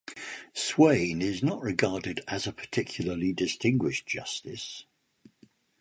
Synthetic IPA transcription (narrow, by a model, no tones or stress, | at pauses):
swẽɪ̃nɪznəʔɹɪɡɑːdɪdəzəpʰə̥tʰɪkʰjl̩ˠəlidɪstɪ̃ŋɡwɪʃd̥ʒ̥ʌstɪs